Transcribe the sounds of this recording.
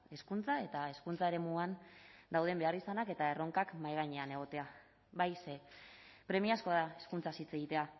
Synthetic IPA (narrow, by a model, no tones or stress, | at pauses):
e̞skunt͡sae̞t̪ae̞skunt͡saeɾe̞muand̪awð̞e̞mbe̞arisanake̞t̪ae̞ro̞ŋkakmajɣaɲeane̞ɣ̞o̞t̪e̞a | βajsepɾe̞miasko̞ðae̞skunt͡sasit͡se̞ɣ̞it̪e̞a